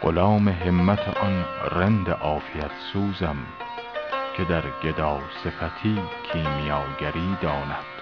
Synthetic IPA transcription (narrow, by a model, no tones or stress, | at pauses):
ɢ̥o̰lɒːmeɦemːæt̪ʰḛʔɒnɾend̪eʔɒːfijæt̪ʰsuːzæm | kʲʰe̞d̪æɾɡ̥ed̪ɒːse̞fæt̪ʰiːkʰiːmijɒːɡæɾiːd̪ɒːnæd̪̥